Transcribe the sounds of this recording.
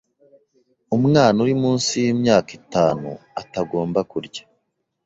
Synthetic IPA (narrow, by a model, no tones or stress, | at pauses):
umŋaːnuɾimuːnsijiːmɲaːkitaːnṵataɡo̞ːmbakuɾɟḁ